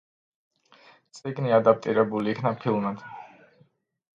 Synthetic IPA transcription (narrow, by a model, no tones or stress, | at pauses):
t̪sʼiɡniad̪ap̚ʼt̪ʼiɾɛbuliːkʰnapʰilˠmad̪̥